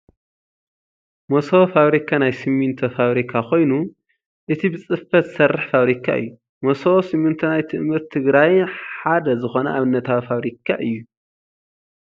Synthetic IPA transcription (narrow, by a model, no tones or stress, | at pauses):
mosofaβɾikʰanajsimːɨnt̪ʰofaβɾikʰakʰo̞jnu | ʔɨt̪ʰibɨt͡sʼɨfɐt̪sɐrːɨħfaβɾikʰa̰ʔɨ̰jːu | mososimːɨnt̪ʰonajt̪ʰɨʔmːɨɾt̪ʰːɨɡɾajħad̪ɐzɨxo̞nɐʔaβɨnːɐt̪ʰawifaβɾikʰa̰ʔɨjːu